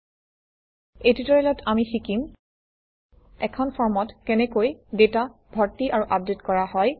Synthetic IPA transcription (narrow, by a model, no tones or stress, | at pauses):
ejtutɔɹɛlɔtʰamixikim | ɛ̰kʰɔnpʰɔɹmɔtkɛnɛkojdetabʱɔɹtiʔaɹuʔab̚detkɔɹaɦɔj